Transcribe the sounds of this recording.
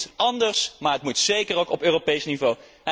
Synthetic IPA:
tɑndəɹsmaːɹətmutsejkərowkɔpøːropejsnivow

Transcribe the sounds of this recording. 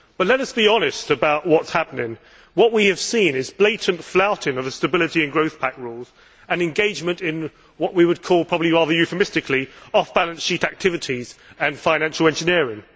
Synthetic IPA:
b̥ʌtˡlɛɾʌsb̥iɒnɪstəbaʊʔwɒtshapənɪ̃ŋ | wʌʔwiɨv̥sĩnɪzbleɪʔn̩tflaʊtɪ̃ŋəvðəstəbɪlɨtiɨ̃nɡɹəʊθpʰækɹulˠz̥ | ə̃nɨ̃nɡeɪd͡ʒmə̃ntɪ̃n | wʌʔwiwəd̚kʰɔːlˠpʰɹ̥ɒbəbliɹɑːðəjʉfəmɪstɨkʰliɒfb̥alə̃nsʃiˑtæk̚tʰɪvɨtʰizə̃nfãɪ̃næ̃nʃəl̩ˠɛ̃nd͡ʒɨnɪɹɪ̃ŋ

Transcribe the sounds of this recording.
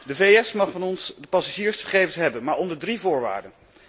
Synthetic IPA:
dəveɛsmɑχfɑnɔnsdəpɑsaʒiːɹsχəχejvənsɦɛbənmaːɹɔndəɹdrivʊːɹʋa̰ːɹdən

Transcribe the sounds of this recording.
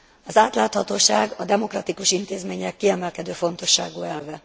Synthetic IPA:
ɒzaːt̪laːt̪hɒt̪oːʃaːɡɒd̪ɛmo̞krɒt̪ikuʃint̪eːzmeːɲɛkːiɛmɛlkɛd̪øːfo̞nt̪o̞ʃːaːɡuːɛlvɛ

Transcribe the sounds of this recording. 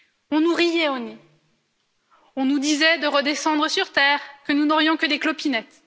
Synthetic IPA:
ɔ̃nuʁijɛone | ɔ̃nud̪izɛd̪əʁəd̪esɑ̃d̪ʁəsyʁt̪ɛːʁkənunɔʁjɔ̃kəd̪eklɔpinɛt̪

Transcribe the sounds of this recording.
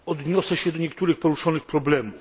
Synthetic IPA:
ɔd̪ɲɔsɛɕɛd̪ɔɲɛkt̪uɾɘxpɔɾuʂɔnɘxpɾɔblɛmuf

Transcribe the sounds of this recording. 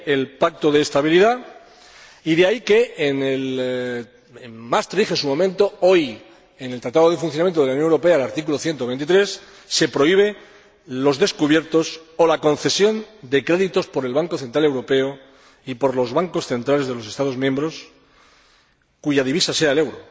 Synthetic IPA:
elpak̚t̪o̞ðe̞ːst̪aβ̞iliða | iðeaike̞ːnel | mast̪ɾixesumo̞mẽnt̪o̞o̞j | enelt̪ɾat̪aðoð̞efunθjnamjent̪oelaunoŋewɾo̞pe̞alaɾt̪ik̬uloθje̞nt̪oent̪̬it̪ɾe̞sː | e̞pɾo̞iβ̞e̞ | lo̞zðe̞skuβje̞ɾt̪o̞so̞lako̞nθe̞sjo̞nd̪e̞kɾe̞ðit̪o̞spo̞ɾe̞lβaŋko̞θe̞nt̪ɾale̞wɾo̞pe̞o | ipo̞ɾlo̞zβaŋko̞sθe̞nt̪ɾale̞zð̞e̞lo̞se̞st̪aðo̞zmjẽ̞mbɾo̞s | kuʝað̞iβisase̞aele̞wɾo

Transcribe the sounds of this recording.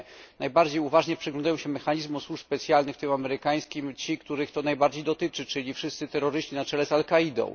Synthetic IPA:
najbaɾd͡ʑejuvaʐɲɛpʂɛɡlɔnd̪ajɔ̃w̃ɕɛmɛxaɲizmɔswuʂspɛt̪sjalnɘxt̪ɘmamɛɾɘkaj̃skʲimt͡ɕikt̪uɾɘxt̪ɔnajbaɾd͡ʑejd̪ɔt̪ɘt͡ʂɘt͡ʂɘlʲifʂɘst̪sɘt̪ɛɾɔɾɘɕt͡ɕinat͡ʂɛlɛsalkaid̪ɔ̰̃w̃

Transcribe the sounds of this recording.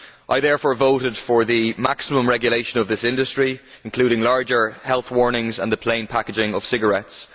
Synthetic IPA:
ʔaɪðɛɹfɔːɹvoʊɾɪd̥fə˞ðəmaksɪmə̃mɹɛɡjəleɪʃə̃nʌvðɪsɪ̃ndəstɹ̥i | ɪ̃nkʰl̥ʉːɾɪ̃ŋlaɹd͡ʒə˞hɛlˠθwɔɹnɪ̃ŋzə̰̃nðəpʰl̥ẽɪ̃npʰakɪd͡ʒɪ̃ŋəv̥sɪɡə˞ɛts

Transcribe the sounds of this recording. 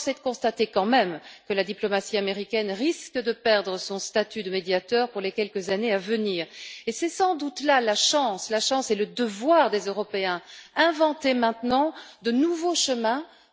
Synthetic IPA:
sɛt̪əkɔ̃st̪at̪ekɑ̃mɛmkəlad̪iplɔmasiameʁikʲɛnʁiskəd̪əpɛʁd̪ʁəsɔ̃st̪at̪yd̪əmed̪jat̪œːʁpuʁlekʲɛlkəzaneavəniːʁesɛsɑ̃d̪ut̪lalaʃɑ̃slaʃɑ̃seləd̪əvwaʁd̪ezøʁɔpeɛ̃ɛ̃vɑ̃t̪emɛ̃t̪nɑ̃d̪ənuvoʃəmɛ̃

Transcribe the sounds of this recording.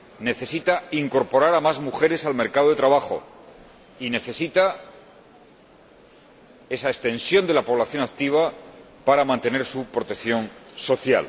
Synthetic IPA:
ne̞θe̞sit̪aiŋko̞ɾpo̞ɾaɾamazmuxe̞ɾe̞salme̞ɾkaðoet̪ɾaβaxo̞̰ | ine̞θe̞sit̪a | e̞saest̪ẽ̞nsjo̞nd̪elapoβ̞laθjo̞nak̚t̪iβ̞a | paɾamãnt̪e̞ne̞ɾsupɾo̞t̪e̞kθjo̞nso̞θja̰l

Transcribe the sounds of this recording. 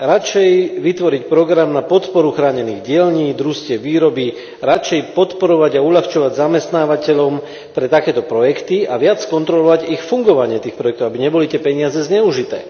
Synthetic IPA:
ɾat͡ʃɛjʋit̪ʋɔɾicpɾɔɡɾamnapɔt̪pɔɾuxɾaːɲɛniːɣɟɪɛʎɲiːd̪ɾuscɪɛʋiːɾɔbi | ɾat͡ʃɛjpɔt̪pɔɾɔʋaɟauʎaxt͡ʃɔʋaɟzamɛst̪naːʋacɛʎɔm | pɾɛt̪akɛːt̪ɔpɾɔjɛkt̪iaʋɪat͡sskɔnt̪ɾɔlɔʋaɟixfuŋɡɔʋaɲɪɛt̪iːxpɾɔjɛk̚t̪ɔʊabiɲɛbɔlit̪ɪɛpɛɲɪazɛzɲɛuʒit̪ɛ̰ː

